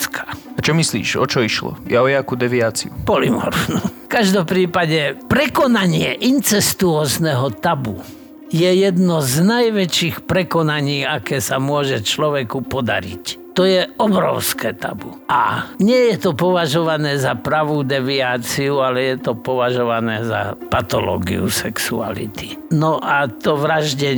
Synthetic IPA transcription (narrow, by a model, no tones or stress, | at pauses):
kʰḁ | at͡ʃɔmislḭːʃɔ̰t͡ʃɔiʃlɔ̰jaɔjakud̪ɛʋiaːt͡sḭupɔlḭmɔ̰ɾfnu | kaʒd̪ɔmpɾiːpaɟɛpɾɛkɔnaɲɪɛʔint͡sɛst̪uɔːznɛɦɔt̪abu | jɛjɛd̪nɔznajʋɛt͡ʃiːxpɾɛkɔnaɲiːakɛːsamʊɔʒɛt͡ʃlɔʋɛkupɔd̪a̰ɾḭct̪ɔjɛɔbɾɔ̰ʊskɛːt̪a̰buʔa̰ɲɪɛjɛt̪ɔpɔʋaʒɔʋanɛːzapɾaʋud̪ɛʋiaːt͡siualɛjɛt̪ɔpɔʋaʒɔʋanɛːza̰pat̪ɔlɔ̰ːɡḭṵsɛksṵa̰lḭt̪i̥nɔʔat̪ɔʋɾaʒɟɛ